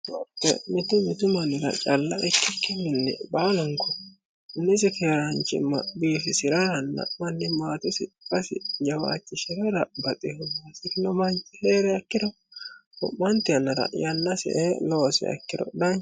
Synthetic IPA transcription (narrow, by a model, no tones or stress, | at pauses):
ɔt̪ːɛ̰mɪt̪ʊmɪt̪ʊmɐnɪɾɐ̰t͡ʃʼɐlːɐʔɛkːɪkːɪnɪnːɛ̰baːlʊŋkɔ | nɪs̬ɪkeːɾɐnt͡ʃɪ̰mːɐbiːfɪsɪɾɐɾɐnːɐ̰mɐnːɪmaːt̪ʊsɪkʼɐsɪ̰d͡ʒɐwa̰ːt͡ʃːɪsɪɾɐɾɐbɐt̪ʼɪhʊmasɪkɪnɔmɐnt͡ʃɪheːɾɛɐkːɪdɔ | ʊ̰ʔmːɐnt̪ɪɐnːɐɾɐ̰jɐnːɐsɛ̰ʔeloːsɛ̰ɐ̰kːɪɾɔ̰d̪ɐn